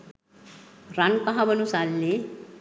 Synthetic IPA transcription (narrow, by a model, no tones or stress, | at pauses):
rankʌɦãbʌnusalːe